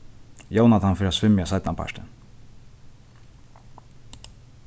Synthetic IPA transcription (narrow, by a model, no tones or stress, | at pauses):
joːwnat̪ʰanfɪːɾasvɪmjasajt̪napʰa̰ʃt̪ɪ̰n